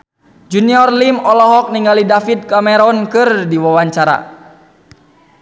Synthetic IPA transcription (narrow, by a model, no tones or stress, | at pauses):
d͡ʒuniɔrlimɔlɔɦɔk̚niŋalidafid̪̚kamɛɾɔnkɨrdiwawaɲt͡ʃaɾa̰